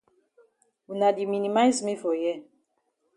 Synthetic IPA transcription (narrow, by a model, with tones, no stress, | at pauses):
u˨na˨di˨mi˨ni˨ma˦jzme˦fɔ˨jɛ˦˨